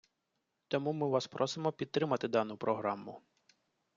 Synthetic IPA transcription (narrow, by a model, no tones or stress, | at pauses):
t̪ɔmumɪʋɑspɾʔɔsɪmɔpʲid̪̚t̪ːɾɪmɐt̪ɪd̪ɑnʊpɾɔɦɾɑmʊ